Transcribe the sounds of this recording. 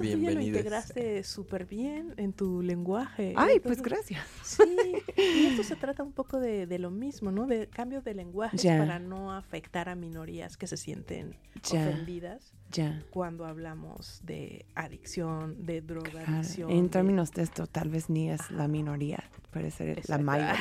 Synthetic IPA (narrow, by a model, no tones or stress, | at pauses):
ouʝaloinnt̪e̞ɣɾast̪e̞supe̞ɾβje̞nent̪ule̞ŋɡwaxe̞ajp̪twesɾasjassiiest̪ose̞t̪ɾat̪aumpo̞ko̞ðe̞ðe̞lo̞mizmo̞no̞ðe̞kambjo̞zðe̞le̞ŋɡwaxed͡ʒsapaɾano̞afe̞kt̪aɾamĩno̞ɾia̰skese̞sje̞̰nt̪e̞̰n | d͡ʒafend̪iðas | d͡ʒakwand̪o̞aβlamo̞̰z̥ðe̞̰aðiksjo̞nd̪e̞ðɾokɣalðiaɾksjoent̪eɾmĩnozdest̪ot̪alβezniezlamĩno̞ɾia̰pweðḛsḛɾ̰lamaja